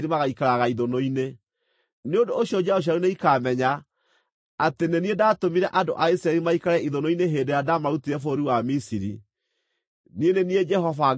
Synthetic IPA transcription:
ɾimaɣaikaɾaɣaiðonoine | neondoːɕjɔd͡ʒaoɕ̬aɾuneikamɛɲaː | teneniedaːtomiɾɛʔando̰ʔaisɾaɛɾimaikaɾɛiðonoineɦeːdejadamaɾutiɾɛfoɾiwamisiɾḭ | nienenied͡ʒɛɦɔva

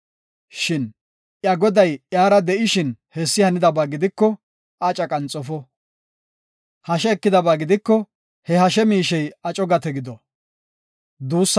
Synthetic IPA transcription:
ʃɪn | ʔjɐɡɔd̪ɐjjaːɾɐd̪ɛʔɪʃɪnhɛsːɪhɐnɪd̪ɐbaːɡɪd̪ɪkːɔ | ʔat͡ʃʼɐkʼɐnt͡sʼːɔfɔ | hɐʃɛːkːɪd̪ɐbaːɡɪd̪ɪkːɔ | hɛɦɐʃɛmiːʃɛjɐt͡ʃʼɔɡɐt̪ɛɡɪd̪ɔ | d̪uːsː

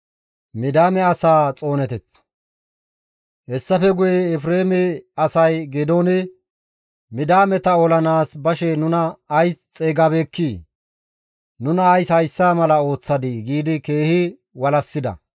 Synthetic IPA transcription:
mɪd̪aːmɛɐsaːt͡sʼo̞ːnɛt̪ɛt͡s | hɛsːɐfɛɡʊjɛːfɾe̞ːmɛɐsɐjɡɛd̪oːnɪ | mɪd̪aːmɛt̪ɐɔlɐnaːsbɐʃɛnʊnɐːjst͡sʼeːɡabeːkːiː | nʊnɐːjshɐjsːaːmɐlɐo̞ːt͡sːɐd̪ɪɡiːd̪ɪke̞ːhɪ | wɐlɐsːɪd̪ɐ̰

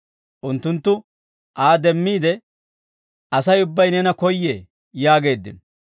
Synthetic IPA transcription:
ʔʊnt̪ːʊnt̪ːʊ | ʔaːd̪ɛmːiːd̪ɛ | ʔɐsɐjʊbːɐjnɛnɐkɔjːe | jaːɡe̞ːd̪ːɪ̰n

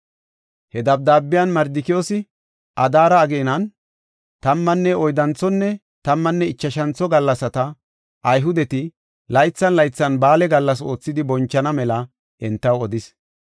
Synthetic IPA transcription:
hɛd̪ɐb̚d̪aːbːɪjɐnmɐɾd̪ɪkɪjoːsɪ | ʔɐd̪aːɾɐːɡenɐn | t̪ɐmːɐnːɛɔjd̪ɐnt͡sɔnːɛ | t̪ɐmːɐnːɛɪt͡ʃːɐʃɐnt͡sɔɡɐlːɐsɐt̪ɐ | ʔɐjɦʊd̪ɛt̪ɪ | lɐjt͡sːɐnlɐjt͡sːɐnbaːlɛɡɐlːɐs̬o̞ːt͡sːɪd̪ɪbɔnt͡ʃːɐnɐmɛlɐ | ʔɛnt̪ːɐwɔd̪ɪs

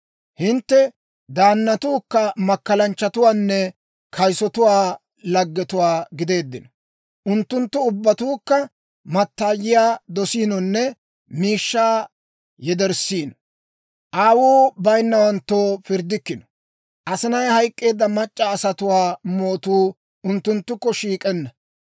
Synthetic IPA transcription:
hɪnt̪ːɛ | d̪aːnːɐt̪uːkːɐmɐkːɐlɐnt͡ʃːɐt̪ʊwaːnːɛ | kʰɐjsɔt̪ʊwaː | lɐɡːɛt̪ʊwaːɡɪd̪e̞ːd̪ːɪnɔ | ʔʊnt̪ːʊnt̪ːʊʊbːɐt̪uːkːɐ | mɐt̪ːaːjɪjaːd̪ɔsiːnɔnːɛ | miːʃːaː | jɛd̪ɛɾsiːnɔ | ʔaːwuːbɐjnːɐwɐnt̪ːoːfɪɾd̪ɪkːɪnɔ̥ | ʔɐsɪnɐjhɐjkʼːe̞ːd̪ːɐmɐt͡ʃʼːɐːsɐt̪ʊwaːmoːt̪uː | ʊnt̪ːʊnt̪ːʊkːɔʃiːkʼɛnːɐ

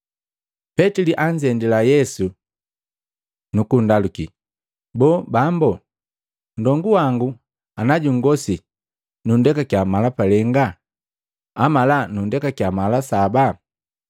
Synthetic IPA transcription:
pɛtiliʔaɲd͡ʒɛndilajɛsu | nukundalukḭ | bɔːbambɔ | n̩dɔŋɡuwaŋɡu | anaɟuŋɡɔsi | nundɛkakjamalapalɛŋɡa | amalanundɛkakjamalasaba

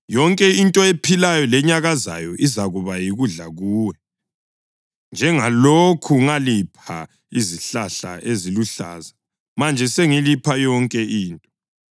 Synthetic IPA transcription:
jɔŋkʼɛintʼɔepʰilajɔlɛɲaɣaza̰jɔʔizaɣuβajiɣuɮaɣuːwɛ | nd͡ʒʱɛŋalokʰuŋalipʰa̰ | iziɬaɬa̰ʔeziluɬa̰ːza | mand͡ʒʱɛseŋilipʰajɔŋkʼɛʔiːntʼɔ̥

